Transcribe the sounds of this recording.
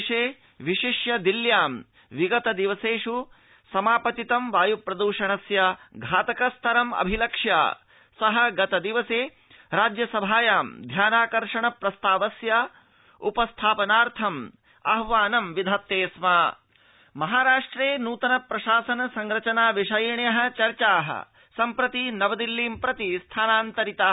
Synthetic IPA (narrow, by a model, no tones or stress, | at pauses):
ʂeː | ʋiʃiʃjɐd̪iljaːm | ʋiɡɐt̪ɐd̪iʋɐseːʂu | sɐmaːpɐt̪it̪ɐmʋaːjupɾɐd̪uːʃɐɳɐsjɐɡʱaːt̪ɐkɐst̪ʰɐɾɐmɐ̰bʱilɐkʂja̰ː | sɐɦɐɡɐt̪ɐd̪iʋɐseː | ɾaːd͡ʒjɐsɐbʱaːjaːmd̪ʱjaːnaːkɐɾʂɐɳɐpɾɐst̪aːʋɐsjɐ | ṵpɐst̪ʰaːpɐnaːɾt̪ʰɐm | ɐ̰ɦʋaːnɐmʋid̪ʱaːt̪ːeːsmaː | mɐɦaːɾaːʂʈɾeːnuːt̪ɐnɐpɾɐʃaːsɐnɐsɐŋɡɾɐt͡ʃɐnaːʋiʂɐjɳjɐɦɐ̆t͡ʃɐɾt͡ʃaːɦɐ̰ | sɐmpɾɐt̪inɐʋɐd̪ilːiːmpɾɐt̪ist̪ʰaːnaːnt̪ɐɾit̪aː